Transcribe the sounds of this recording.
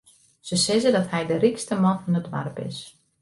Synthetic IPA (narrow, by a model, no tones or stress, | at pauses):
səsɪzədɔthɛjdərikstəmɔnfɔnətʋa̰rəpɪ̰s